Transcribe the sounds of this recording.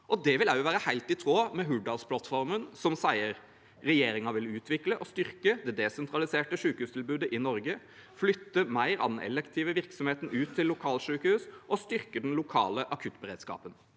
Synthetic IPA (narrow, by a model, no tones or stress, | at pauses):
ʔɔd̪ɛʋɪlæʊʋæːɾəhæɪlt̪ɪt̪ʰʁoːmɛɦʉɖɑlspʰlɑt̪fɔɾmənsɔmsæɪəɾ | ɾɛjeːɾɪŋɑʋɪlʉːt̪ʰʋɪkləʔɔst̪ʏɾkəd̪ɛd̪ɛsɛnt̪ʰɾɑlɪseːʈəʂʉːkəhʉːst̪ʰɪlbʉːd̪əʔɪnɔɾɡə | flʏt̪ːəmæɪɾɑ̰d̪nɛ̰lɛkt̪ʰiːʋəʋɪʁksɔmheːt̪n̩ʉːt̪ʰːɪlːʊkʰɑːlʂʉːkəhʉːsʔɔst̪ʏɾkəd̪ɛnlʊkʰɑ̰ːləʔɑkʰʉt̪ːbəɾeːd̪skɑ̰ːpən